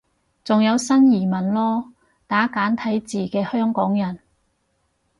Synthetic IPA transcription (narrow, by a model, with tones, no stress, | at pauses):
t͡sʊ˨ŋjɐ˨˧wsɐ˥njiː˨˩mɐ˨˩nlɔː˥ | t̪aː˨˥kaː˨˥nt̪ʰɐ˨˥jt͡siː˨˩kɛː˧hœː˥ŋkɔː˨˥ŋjɐ˨˩n